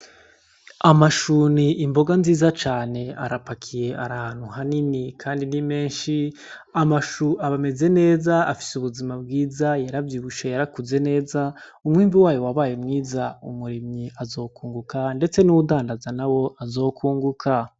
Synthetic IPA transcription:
amaʃuniʔimbo̞ɡanziːzat͡ʃaːne̞a̰ɾapakʰije̞ʔaɾahan̥huhaninikʰaːndinime̞ːnʃi | amaʃuʔaβame̞ze̞ne̞ːzaafi̥suβuzimabɡiːzajaɾavjiːβuʃajaɾakuze̞ne̞ːza | umŋiːmviwaːjo̞waβaːjemŋiːzaṵmuɾimɲiʔazo̞ːkuːŋɡukande̞t͡se̞nuwudaːndazanawo̞ʔazo̞ːkʰuːŋɡukʰa

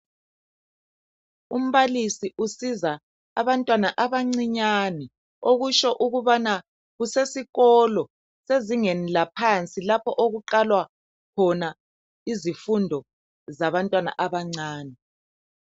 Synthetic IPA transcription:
um̩βalisiʔusiza | aβantʼwanaʔaβaŋ͡ǀiɲani | oɣuʃɔʔuɣuβana | ɣusesiɣɔlɔ | seziŋenilapʰant͡sʼilapʰɔʔoɣuǃalwa | kʰɔna | izifundʱɔ | zaβantʼwana̰ʔaβaŋ͡ǀaːni

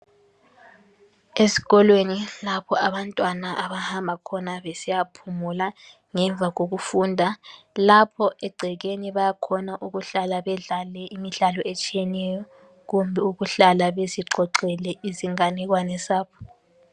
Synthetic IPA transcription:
esi̥ɣɔlwenilapʰɔaβantʼwanaʔaβahambʱakʰɔnaβesijapʰumula | ŋɛɱvʱaɣoɣufuːndʱalapʰɔɛɡ͡ǀʱɛɣeniβajakʰɔnaʔuɣuɬalaβɛɮalɛʔimiɬalɔet͡ʃʼijɛnɛjɔ | ɣumbʱɛuɣuɬalaβeziǀɔǀɛlɛiziŋanɛɣ̬wanɛsaːβɔ

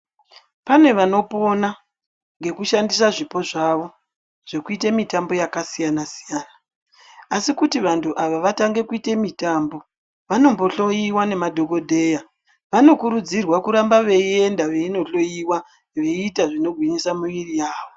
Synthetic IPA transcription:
pane̞ʋano̞po̞na | ŋɡe̞kuʃandisaʐipo̞ʐaʋo̞ | ʐ̥e̞kuitemitambo̞jakasijanasijanaː | sikutiʋantʰuʔaʋaʋataŋɡe̞kuite̞mitaːmbo̞ | ʋano̞mbo̞ɬo̞jiwane̞madʱo̞ko̞dʱe̞ːja | ʋano̞kuɾud͡zirwakuɾambaʋe̞ie̞ndaʋe̞ino̞ɬo̞jiwa | ʋe̞iːtaʐino̞ɡʱwiɲisamuʋirijaːʋo̞

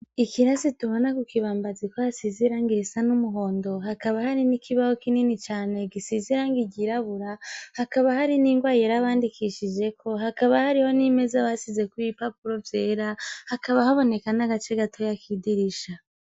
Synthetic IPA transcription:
ikiɾasituβo̞nakukiβaːmbazikohasiziɾaŋɡiɾisanumuɦo̞ːndo̞ɦakaβahaɾinikiβahokininit͡ʃaːne̞ɡisiziɾaŋɡiɟiɾaβuɾahakaβahaɾiniŋɡwaːjeɾaβaːndikʰiʃid͡ʒe̞kʰo̞hakaβahaɾiho̞nime̞zaβasize̞kuipapuɾo̞vje̞ːɾahakaβahaβo̞ne̞kanaɡat͡ʃe̞ɡatʰo̞jakʰidiɾiʃa

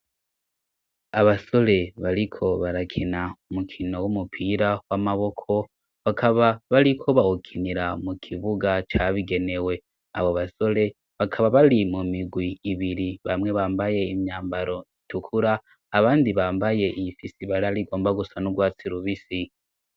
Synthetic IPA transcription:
aβaso̞le̞βaɾikʰo̞βaɾakʰinaumukʰino̞wumupʰiɾawamaβo̞kʰo̞ | βakʰaβaβaɾikʰo̞βahukʰiniɾamukʰiβuɡat͡ʃaβiɡe̞ne̞we̞ | a̰βoβaso̞le̞ | βakʰaβaβalimumiɡwiːβiɾiβamŋe̞βaːmbaje̞imɲaːmbaɾo̞itukʰuɾaː | βaːndiβaːmbaje̞ʔijifisiβaɾaliɡo̞ːmbaɡusanuɡwaːt͡siɾuβisi

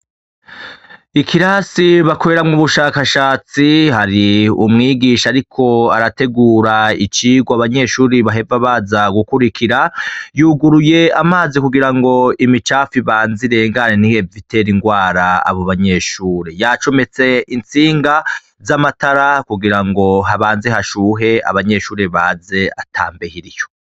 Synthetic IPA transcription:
ikʰiɾaːsiβakoɾeɾamŋuβuʃaːkaʃaːt͡siɦaɾiṵmŋiːɡiːʃaːɾikʰo̞aɾate̞ɡuːɾait͡ʃiːɡwaβaɲe̞ʃuːɾiβaɦe̞vaβazaɡukuɾikʰiɾajuːɡuɾuje̞amaːzikuɡiɾaŋɡo̞imit͡ʃaːfiβaːnziɾe̞ŋɡaneniheviteɾiŋɡwaːɾaa̰βo̞βaɲe̞ʃuːɾejat͡ʃo̞me̞t͡se̞int͡siːŋɡa | zamataɾakuɡiɾaŋɡo̞ɦaβaːnzehaʃuːɦe̞a̰βaɲe̞ʃuːɾeβaːze̞atʰa̰ːmbehiɾijo̞

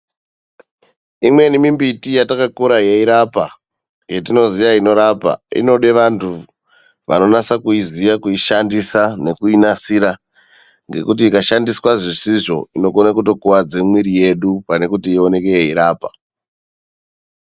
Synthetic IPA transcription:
imwe̞nimimbitijatakakuɾajeiɾapa | ɡe̞tino̞zijaino̞ɾapa̰ḭno̞ɗe̞ʋantʰu | ʋa̰no̞nasakuizijakuiʃandisane̞kuinasiɾa | ŋɡe̞̰kut̬iːkaʃandiswaʐisiʐo̞̰ino̞konakuto̞kuwad͡zemwiɾije̞ɗupane̞kutiːo̞ne̞ke̞jeiɾaːpa

